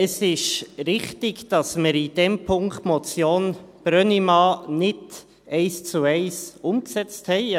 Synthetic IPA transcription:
əsɪʃɾɪχtɪɡd̥ɑsməɾid̥ɛmpʰʊŋkt̪mɔt͡sjoːnb̥ɾœnimɑːnɪd | ɛɪst͡suɛɪsʊmksɛt͡sthɛɪ

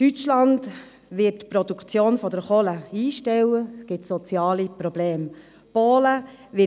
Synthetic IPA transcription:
tyt͡ʃlɑnd | ʋɪtpɾodukʰt͡sjoːnfɔd̥əɾχɔləiːʃtɛwəsɡ̥ɪtsɔt͡sjɑːlipɾɔbleːm | poːlə | ʋɪ

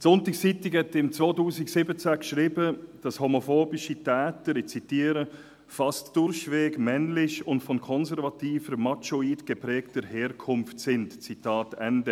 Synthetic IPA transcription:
sʊntɪkst͡sitɪkhɛtɪmt͡svoːtuːsɪksɪbət͡sækʃɾiːbəd̥ɑshomofoːbɪʃitɛːtəɾɪt͡sitiːəɾə | fɑstd̥ʊɾçvɛːɡmɛnlɪçʊntfɔnkʰɔnzɛɾvɑtiːfəɾmɑt͡ʃoiːdɡ̥epɾɛːktəɾhɛːɾkʰʊmftsɪntt͡sitɑːtɛndə

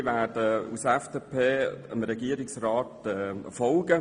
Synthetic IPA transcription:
ʋæːdəṵsɛfd̥epʰeːəmɾɛɡiəɾɪksrɑːtɛfɔlɡ̥ə

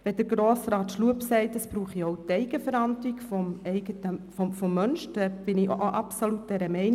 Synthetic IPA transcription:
ʋɛd̥əɡɾoːsrɑːt̪ʃluəpsɛɪtəsb̥ɾuːχiowtɛɪɡ̥əfəɾɑnd̪liɡfɔmɛɪɡətəfɔmfɔmːœnʃdɛb̥ɪnɪʔoʔɑpsolut̚d̥ɛɾəmɛɪn

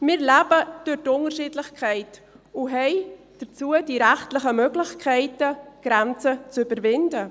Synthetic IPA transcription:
mɪɾlæb̥əd̥øɾtʊnəɾʃiːdlɪxkʰɛɪt | uɦɛɪ | d̥ət͡suəd̥iɾæχtlɪχəmøɡlɪçkʰɛɪtəɡ̥ɾɛnt͡sət͡sybəɾvɪndə

